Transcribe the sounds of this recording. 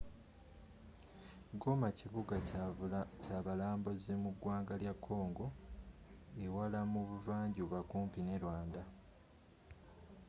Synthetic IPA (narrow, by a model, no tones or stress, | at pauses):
ɡo̞maciβuɡa | caːβalaːmbozemuɡwaːŋɡaljakʰːo̞ːŋɡo̞ | ewalamuβuvaːɲɟoβakuːmpine̞ɾwaːnda